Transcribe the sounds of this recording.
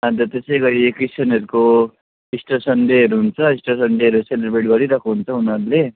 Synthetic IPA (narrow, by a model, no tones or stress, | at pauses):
ʌd̪ʌt̪esʌjɡʌɾiekisʌnʌɾuko | isʈʌsʌnɖeɦʌɾuɦunt͡sʰʌisʈʌsʌnɖeɦʌɾuselʌɾbeʈɡʌɾiɾʌkʰuɦunt͡sʰʌunʌɾule